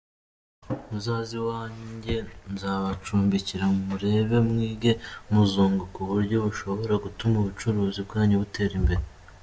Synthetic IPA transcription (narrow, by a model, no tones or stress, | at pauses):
muzaːziwaːɲɟe̞nzaːβat͡ʃuːmbiciɾamumuɾe̞βe̞mŋiːɡe̞muzoːŋɡokuβuɾɟo̞βuʃo̞βo̞ɾaɡutumuβut͡ʃuɾuːzib̚ɡaːɲeβutʰe̞ːɾimbe̞ɾe